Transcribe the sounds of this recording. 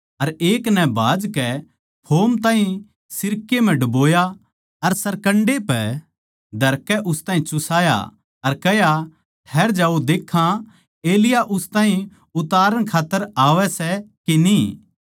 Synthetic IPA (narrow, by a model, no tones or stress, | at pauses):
ɐɾeːknɛ̃bʱaːd͡ʒkɛ | pʰoːmt̪ãːɦĩ | sɪɾkem̤ɛ̃ɖɐboːja | ɐɾsɐɾkɐ̃ɳɖepɛ | d̪ʱɐɾkɛʔʊst̪ãːɦĩt͡ʃʊsaːja̰ | ɐɾkɐja | ʈʰɛːɾd͡ʒaːud̪eːkʰã | eːlɪjaʔʊst̪aːɦĩ | ʊt̪aːɾəɽ̃kʰaːt̪ːəɾaːʋɛsɛkeniː